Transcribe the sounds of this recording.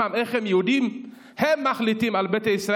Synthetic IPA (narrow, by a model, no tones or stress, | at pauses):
ameχhemjehud̪im | hemːaχlit̪imalbet̪aisʁa